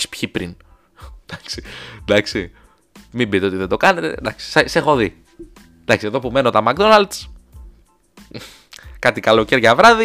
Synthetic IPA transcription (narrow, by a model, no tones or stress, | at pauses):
spçipɾin | d̪̥ɐksi̥d̪ɐksi | mimbit̪eo̞t̪iðe̞nd̪o̞kɐne̞t̪e̞̰d̪ɐksi̥sese̞xo̞ði | d̪ɐksie̞ðo̞pume̞no̞t̪ɐmɐkd̪o̞nɐld̪s | kɐt̪ikɐlo̞ceɾʝɐvɾɐði